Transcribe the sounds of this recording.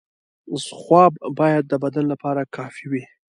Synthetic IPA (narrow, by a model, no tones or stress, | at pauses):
zxwɑbbɑjad̪̚ːəbad̪anlapɑɾakʰɑfiwi